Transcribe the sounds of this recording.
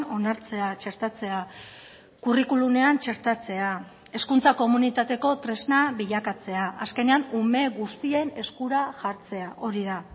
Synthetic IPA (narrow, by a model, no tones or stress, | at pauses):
o̞naɾt͡se̞at͡ʃe̞ɾt̪at͡se̞a | kurikulume̞ant͡ʃe̞ɾt̪at͡se̞a | e̞skunt͡sako̞munit̪at̪e̞ko̞t̪ɾe̞znaβiʎakat͡se̞aʔaske̞ne̞anume̞ɣust̪ie̞ne̞skuɾaʝaɾt͡se̞aʔo̞ɾiða